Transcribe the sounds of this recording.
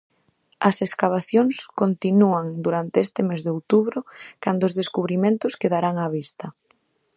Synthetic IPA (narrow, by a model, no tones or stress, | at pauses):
ɐseskaβ̞aθjoŋskont̪inuaŋd̪uɾant̪eest̪ɪmezðeowt̪uβɾʊkand̪oːzðeskuβɾimẽnt̪ʊskeðaɾaŋaβ̞ist̪ɐ